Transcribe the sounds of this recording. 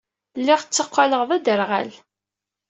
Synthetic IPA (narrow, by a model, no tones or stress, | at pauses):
lːɪʁt͡sːəqʷːaləʁðæd̪əɾʁæ̰l